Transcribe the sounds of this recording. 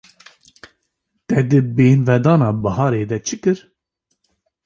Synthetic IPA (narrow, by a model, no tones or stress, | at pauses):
t̪ɛd̪ɨbeːnvɛd̪ɑːnɑːbɑɦɑːɾeːd̪ɛt͡ʃʰɨkɨɾ